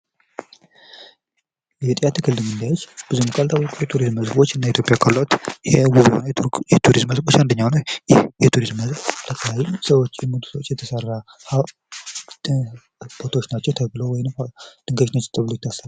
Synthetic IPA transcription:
jɛt̪ʼijat̪ʰɨkʰɨlːɨmɨnd̪ajot͡ʃːb̥ɨzumkʼalt̪ʰaβkʼujɛt̪ʰuɾizmːəzbo̞t͡ʃːɨnːait̪jo̞pʼjakʰalːwt̪jɛwuβho̰njɛt̪ʰuɾizmːəzbot͡ʃand̪əɲːawnəwjhjɛt̪ʰuɾizmːəzt̪ʰəkʰəjajumsəwot͡ʃːjɛmət̪ʰu̥səwot͡ʃːjɛt̪ʰəsərːa | ha | b̥ot̪ʰot͡ʃːnat͡ʃːɛwt̪ʰəβlo̞wɔjɪnmd̪̥ɨŋɡəʃnot͡ʃːt̪ʰɨβlojt̪ʰːasəl

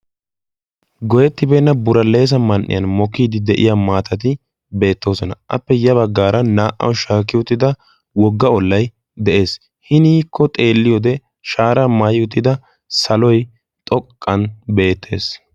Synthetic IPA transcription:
ɡɔjɛt̪ːɪbeːnːɐbʊɾɐlːe̞ːs̬ɐmɐnʔːɪ̰jɐnmɔkːiːd̪ɪd̪ɛʔɪ̰jamaːt̪ɐt̪̬ɪ | be̞ːt̪ːo̞ːsɔnɐʔɐ̰pːɛjɐβɐɡːaːɾɐnaːʔɐ̰wʃaːkːɪʊt̪ːɪd̪ɐ | wɔɡːɐɔlːɐj | d̪ɛʔe̞ːs | hɪniːkʰːɔt̪ʼe̞ːlːɪjɔd̪ɛ | ʃaːɾamaːjʊt̪ːɪd̪ɐ | sɐlɔj | t̪ʼɔkʼːɐnbe̞ːt̪ʰːe̞̰ːs

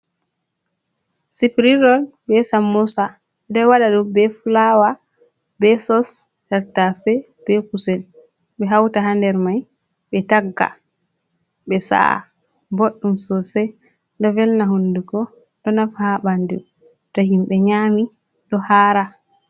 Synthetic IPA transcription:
sipɾiɾɔlbɛsamːosa | dɛwaɗaɗubɛfulawa | bɛsɔs | dɛɾtasɛ | b̥ɛkusɛl | ɓɛɦawtaɦandɛɾmaj | ɓɛtaɡːa̰ | ɓɛsa̰ | boɗːumsɔsɛ | ɗɔvɛlnaɦundukɔ | ɗɔnafhaɓandu | tɔhimɓɛɲami | ɗɔhaːɾa

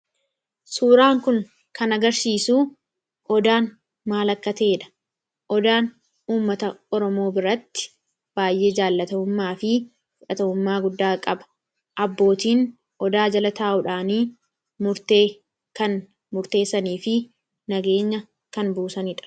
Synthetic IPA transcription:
suːɾaːŋkʊŋ | kɐnɐɡɐɾsiːsuː | ʔɔd̪aːn | maːlɐkːɐt̪e̞ːᶑɐ̥ | ʔɔd̪aːn | uːmːɐt̪ɐɔɾɔmo̞ːbɪɾɐt̪ːɪ̥ | b̥aːjʔe̞ːd͡ʒaːlːɐt̪ɐʊmːaːfɪ | fʊᶑɐt̪ɐʊmːaːɡʊd̪ːaːkʼɐbɐ̥ | ʔɐbːo̞ːt̪iːn | ʔɔd̪aːd͡ʒɐlɐt̪aːʔʊᶑaːniː | mʊɾt̪eː | kɐn | mʊɾt̪e̞ːsːɐniːfɪ | nɐɡe̞ːɲːɐ | kɐnbuːsɐnɪᶑɐ̥

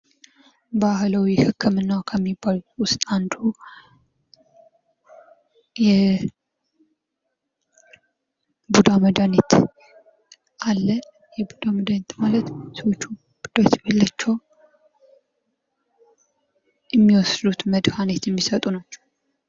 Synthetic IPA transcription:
bahlawihɨkʰːɨmɨnːakʰəmːibːalwʊst̪ʼand̪u | jɛ | bud̪aməd̪anet̪ | ʔalːə | jɛbud̪aməd̪anet̪malət̪swot͡ʃːu | b̥ud̪̥ot̪balːat͡ʃːɛw | jɛmːiwɔsd̪ut̪məd̪hanet̪jɛmːisət̪ʼunat͡ʃːɛ̥w

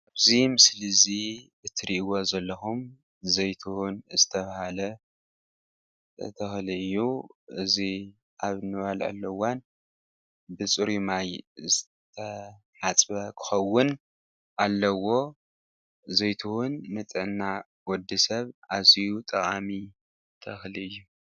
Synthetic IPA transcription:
aβzimɨslɨzibɨt̪ʰɨɾiʔwozɐlːɐxum | zɐjt̪ʰuhʊnzɨt̪ʰɐβahalɐ | t̪ʰɨxliɨjːuʔɨzi | ʔaβnɨβalʕa̰lːɐwan | bɨt͡sʼɨɾimajzɨ | t̪ʰɐ | ħat͡sʼbɐkʰɨ̥xɐwːʊn | ʔalːɐwo̞ | zɐjt̪ʰuwʊnːɨt͡s̪ʼɨʕnːa | wɔd̪isɐβazijut̪ʼɐχʼami | t̪ʰɐxliɨjːu

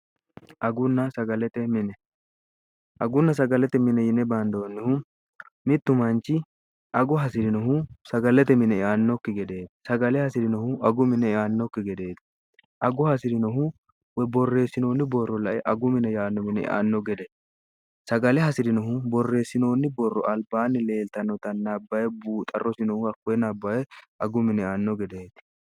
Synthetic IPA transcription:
ʔɐɡʊnːɐsɐɡɐlɛt̪ɛmɪnɛ | ʔɐɡʊnːɐs̬ɐɡɐlɛt̪ɛmɪnɛjɪnɛbɐnd̪oːnːɪhʊ | mɪt̪ːʊmɐnt͡ʃːɪ | ʔɐɡʊɦɐsɪd̪ɪnɔɦʊsɐɡɐlɛt̪ɛmɪnɛɪʔaːnːɔkːɪɡɛd̪e̞ːd̪sɐɡɐlɛhɐsɪd̪ɪnɔhʊʔɐɡʊmɪnɛɪaːnːɔkːɪɡɛd̪e̞ːt̪ | ʔɐɡʊhɐsɪd̪ɪnɔɦhʊ | wɛbɔrːe̞ːsːɪno̞ːnːɪbɔrːɔlɐʔɛʔɐɡʊmɪnɛjaːnːɔmɪnɛ̰ɪ̰ʔa̰ːnːɔɡɛd̪ɛ | sɐɡɐlɛhɐsɪd̪ɪnɔɦʊbɔrːe̞ːsːɪno̞ːnːɪbɔrːɔʔɐlbaːnːɪle̞ːlt̪ɐnɔt̪ɐnɐbːɐjɛbuːt̪ʼɐ̰rːɔsɪnɔhʊɐkːʊɛnɐbːɐjɛʔɐɡʊmɪnɛɪaːnːɔɡɛd̪eːt̪

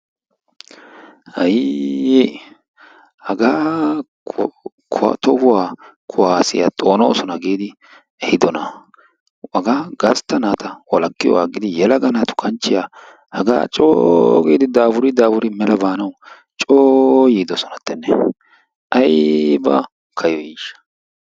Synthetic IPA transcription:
hɐje | hɐɡaː | kʰʊ̰t̪ɔhʊwaːkʰʊwaːsɪja̰t̪ʼo̞ːnɔosɔnɐɡeːd̪ɪ | ɛhɪd̪ɔnɐ | ɐɡaːɡɐst̪ːɐnaːt̪ɐwɔlɐkːɪjɔ̰waɡɪd̪ɪjɛlɐɡɐnɐt̪ʊ̥kʰɐnt͡ʃːɪja | hɐɡa̰ːt͡ʃʼoːɡeːd̪ɪd̪aːbʊɾɪd̪aːbʊɾɪmɛlɐbaːnɐw | t͡ʃʼoːjiːd̪ɔsɔnɐt̪ːɛnːɛ̰ | ʔɐjbɐ̰ | kʰɐjɔjiːʃɐ̥

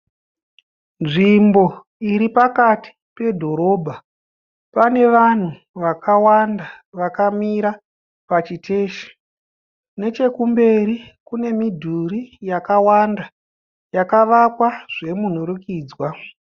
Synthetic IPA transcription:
nʐimbo̞ | iɾipakati̥pe̞dʱo̞ɾo̞ːbʱa | pane̞ʋan̤u | ʋakʰawandaʋakamiɾa | pat͡ʃitʰe̞ːʃe̥ | ne̞t͡ʃe̞kumbe̞ɾikune̞midʱurijakawanda | jakaʋakwaʐ̥e̞mun̤oɾukiːd͡zwa

